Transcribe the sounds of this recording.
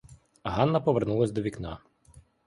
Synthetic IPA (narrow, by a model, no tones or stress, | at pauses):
ɦɑnːɐpɔʋernulˠɐsʲd̪ɔʋʲiknɑ